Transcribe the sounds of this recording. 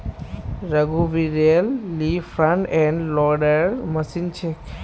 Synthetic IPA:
ɾəɡuʋiɾelːifɾãɳʈɛ̃ɳɖlɔɖəɾməsint͡ʃʰe

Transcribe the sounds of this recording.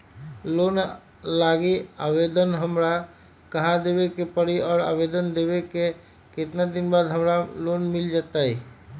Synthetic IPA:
loːn | laːɡiaːʋed̪ənɦəmɾa | kəɦad̪eʋekepəɽiɔːɾa̰ːʋed̪ənd̪eːʋeke | ket̪nad̪ɪnbaːd̪ɦəmɾaloːnmɪld͡ʒaːt̪aɦiː

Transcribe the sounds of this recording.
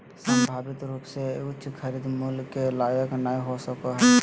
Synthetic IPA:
səmbʱaːbit̪ɾuːpseʊtːʃʰkʰəɾid̪mulkelaːjəknaiɦosəkoɦɛ

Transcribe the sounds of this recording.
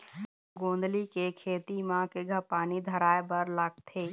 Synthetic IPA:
ɡõːnd̪likekʰeːt̪imãkeɡʱəpaːnid̪ʱəɾaːebəɾləɡ̚t̪ʰeː

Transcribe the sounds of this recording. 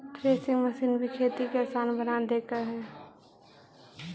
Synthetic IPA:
ʈɾeːsɪ̃ŋɡməsiːnbʱikʰeːt̪ikeaːsaːnbənad̪eːkaɦɛː

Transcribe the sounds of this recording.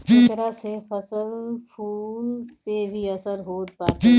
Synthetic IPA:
ɪt̪əɾasefɐsəlpʰuːlpebʱiɐsəɾɦoːt̪̚paːt̪i

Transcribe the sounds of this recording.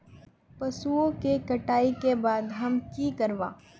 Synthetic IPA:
pɐsuõkekɐʈaːikebaːd̪ɦɐmkiːkɐɾʋa̰ː

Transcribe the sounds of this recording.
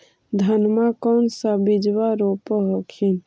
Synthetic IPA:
d̪ʱənmakənsabid͡ʒbaɾopəɦokʰin

